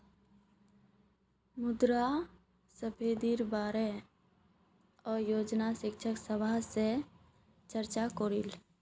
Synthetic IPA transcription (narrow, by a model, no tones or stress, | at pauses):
mʊd̪ɾa | səpʰeːd̪iːɾbaːɾe | ɔːɾjoːd͡ʒnaʃɪkt͡ʃʰəksəbʱase | t͡ʃəɾt͡ʃakoːɾil